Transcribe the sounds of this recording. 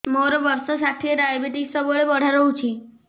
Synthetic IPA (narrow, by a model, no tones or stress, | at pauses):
moɾɔʋəɾsɔsaʈʰieɖajbeʈiksɔbɔɭebɔɽ̤aɾəɦut͡ʃʰi